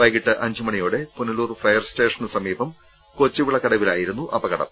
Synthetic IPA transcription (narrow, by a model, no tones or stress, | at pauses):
ɐjɣiʈːɨʔɐɲd͡ʑumɐɳijoːɽe̞puniluːrfɐjɐrste̞ːʂɐnsɐmiːbɐm | kot͡ɕːiʋiɭːɐkɐɽɐʋila̰ːjiɾunːuʔɐbɐɣɐɽɐ̰m